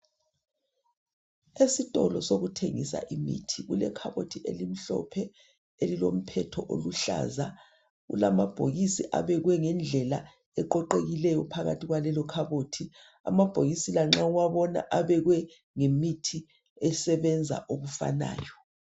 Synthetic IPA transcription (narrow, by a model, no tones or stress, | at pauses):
esitʼɔlɔsoɣutʰeŋisa̰ʔimḭtʰiɣulɛ̰kʰaβotʰiʔelim̩ɬɔ̰pʰɛ | elilom̩pʰɛtʰɔʔo̰luɬa̰za | ɣṵlamab̥ʱoɣisiʔa̰βɛɣwɛŋɛnd͡ɮʱɛla | ɛǃɔǃeɣilɛjɔpʰaɣatʰiɣwalɛlɔkʰaβoːtʰi | a̰mab̥ʱoɣisilaŋ͡ǁauwaβɔna̰ʔaβɛɣwɛ | ŋemitʰi | ɛsɛβɛnd͡zʱa̰ʔoɣufa̰na̰ːjɔ